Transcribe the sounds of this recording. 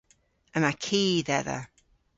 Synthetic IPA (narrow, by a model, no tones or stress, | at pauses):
əmakʰiːðɛðə̰